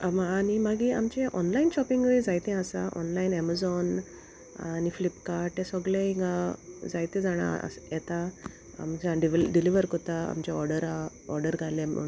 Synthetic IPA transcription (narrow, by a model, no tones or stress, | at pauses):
mːnimaɡiamt͡ɕeʔɔnlainɕɔpiŋɡəjd͡zajt̪ɛ̃asaʔɔ̰nlainɛmazɔn | a̰niflipkaɾʈːesɔɡleĩŋɡad͡zajt̪ɛ̃d͡zaɽ̃a̰jɛt̪a | a̰mt͡ɕaɖiɖiliʋəɾkɔt̪aa̰mt͡ɕaɔɾɖəɾa | ɔɾɖəɾɡʱalḛ